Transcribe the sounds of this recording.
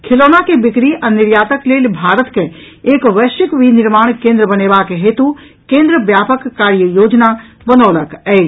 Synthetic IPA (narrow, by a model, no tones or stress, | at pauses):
kʰɪloːnakebɪkɾiʔɐnɪɾjaːt̪əkleːlbʱaːɾət̪ke | eːkʋəːʃɪkʋinɪɾmaːɳ̃kẽːnd̪ɾəbəneːʋaːkeɦeːt̪u | kẽːnd̪ɾəʋjaːpəkːaːɾjəjoːd͡ʒna | bənɔːləkɛː